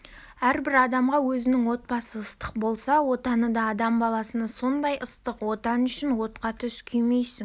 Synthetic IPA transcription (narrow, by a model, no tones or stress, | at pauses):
æɾbɪɾɑd̪ɑmʁɑwɵzɪnɪŋwo̞t̪̚bɑsəːst̪ə̥qbo̞lˠsɑwo̞t̪ɑnəd̪ɑːd̪ɑmbɑlˠɑsənɑso̞nd̪ɑjʔəst̪əqwo̞t̪ɑnʏʃɪnwo̞t̪̚qɑt̪ʰʏskʲʰʏjmejsɪŋ